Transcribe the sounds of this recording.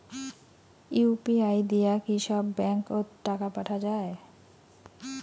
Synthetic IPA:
upiajd̪ijakiʃɔbːɛŋkoʈakapaʈʰad͡ʑae

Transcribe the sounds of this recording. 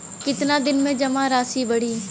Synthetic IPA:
kɪt̪nad̪ɪnmẽd͡ʒɐmaɾaːsibɐɽ̤iː

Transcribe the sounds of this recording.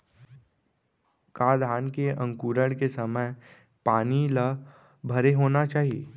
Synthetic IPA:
kaːd̪ʱaːnkeʔə̃ŋkuːɾəɽkesɐməj | paːnila | bʱəɾeɦoːnat͡ʃaːɦiḛː

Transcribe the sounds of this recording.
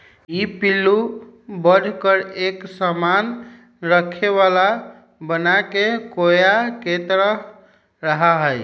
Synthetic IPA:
ipilːubədʱkəɾeksəman | ɾəkʰeβala | bənakekojaket̪ɾə | ɾəɦaɦəj

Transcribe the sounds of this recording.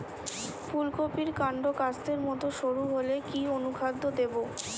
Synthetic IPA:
fulkopiɾkaɳɖokat͡ɕd̪eɾmɔt̪oʃoɾuɦolekionukʰad̪ʱːod̪ebo

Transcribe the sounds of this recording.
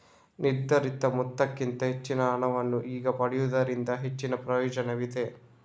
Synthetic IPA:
niɾd̪ɐɾit̪ːɐmut̪ːɐkːint̪ɐɦe̞t͡ʃːinɐːɳɐʋɐnːuʔiːɡɐpɐɽijud̪ɐɾind̪ɐɦe̞t͡ʃːinɐpɾɐjɔːd͡ʒɐneʋid̪e̞

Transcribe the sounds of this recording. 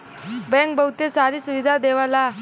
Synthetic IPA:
bɛŋk̚bɐwut̪esaːɾisuʋid̪ʱad̪eːʋala

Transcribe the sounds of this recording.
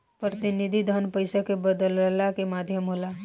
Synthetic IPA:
pɾət̪ɪnɪd̪ʱid̪ʱənpəɪsakebəd̪əllakemaːd̪ʱjəmɦolaː

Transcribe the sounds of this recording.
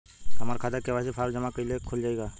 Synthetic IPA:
ɦɐmaːɾkʰaːd̪əɾkebaːsepʰaːɾd͡ʒɐmakɐilekʰold͡ʒaːeɡaː

